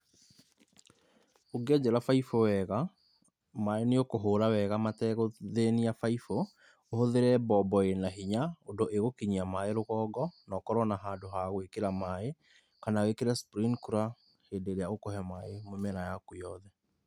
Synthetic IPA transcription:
oɡɛd͡ʑɛɾafaifowɛɣa | maeneokoɦoːɾawɛɣamatɛɣoðeniafaifo | ohoðeɾɛbɔbɔenaɦiɲaodoʔeɣokiɲiamaeɾoɣɔːɡɔnɔkɔɾɔnaɦaːdoɦaɣwekeɾamae | kanawekeɾaspɾiŋkuɾa | heːndeɾeaokɔhɛmaemomɛɾajakujɔðɛ

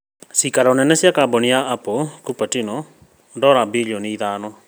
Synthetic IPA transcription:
sikaɾaonɛnɛsjakabɔnijaʔapokupatinɔ | ndɔɾabiʎɔniiðaːnɔ

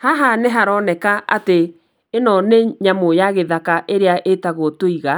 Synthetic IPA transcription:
haɦaneɦaɾɔnɛkaa̰teː | nɔneɲamojaɣeðakaʔeɾeaʔetaɣotoiɣa

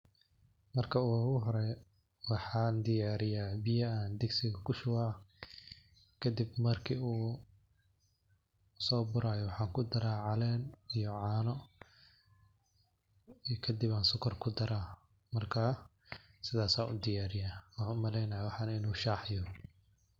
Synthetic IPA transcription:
mɐrkʰɐuːɣʊɦɔɾɛ | wɑħɑːnd̪ɪjaːɾɪjaːbɪjɐand̪ɛɡsɪɣɐkʰʊʃʊwa | kʰɐd̪ɪbmɐrkʰiːuː | sɔːbʊɾaːjɔwɑħɑːŋkʰʊd̪ɐɾaːʕɑlɛːnijɔʕɑːnɔ | ikʰɐd̪iβaːnsʊkʰɐrkʰʊd̪ɐɾaː | mɐrkʰaː | sɪðaːsaːʊ̰d̪ɪjaːɾɪjaːwɑħaːnʊmɐlɛjnɐjawɑħɑːnɐɪnuːʃaːħɪjɔ

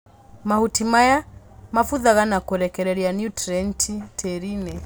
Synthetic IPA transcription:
mahutimaja | mafuðaɣanakɔɾɛkɛɾɛɾianjutɾɛntʰitʰɛɾinɛ

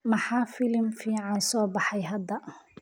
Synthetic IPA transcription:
mɐħɑːfɪlmfiːʕɑnsɔːbɑħɑjɦɐd̪ɐ

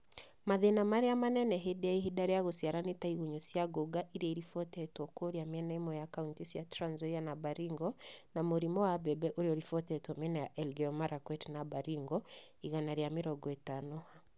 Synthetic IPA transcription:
maðenamaɾejamanɛnɛɦedɛaiɦidaɾɛjaɣosiaɾanetaiɣuɲosiaɡoɡaʔiɾiaiɾifɔtɛtwɔkwoɾiamiɛnɛimɔjakauntisiatɾanzɔjanabaɾiŋɡɔnamuɾimɔwabɛbɛʔoɾiɔɾifɔtɛtwɔmɛnɛjaʔɛlɡɛɔmaɾakwɛtnabaɾiŋɡɔ | iɣanaɾjamiɾɔɡɔɛtanɔha

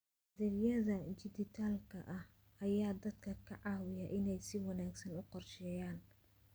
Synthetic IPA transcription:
ðɛljɐðɐt͡ʃɪd̪ɪt̪ʰaːlkʰɐ̰ʔɐh | ʔɐjaːd̪ɐd̪kʰɐkʰɐʕɑːwɪjɐʔɪnɛjsɪwɑnaːɡsɐnʊqɔrʃɛːjaːn

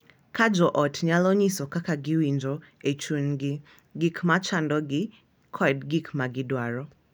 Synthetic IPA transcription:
kʰad͡ʒɔʔɔtʰɲalɔɲisɔkakaɡiwind͡ʒɔ | ɛt͡ʃunɡi | ɡikʰmat͡ʃandɔɡi | kʰɔɛdɡikmaɡidwaɾɔ

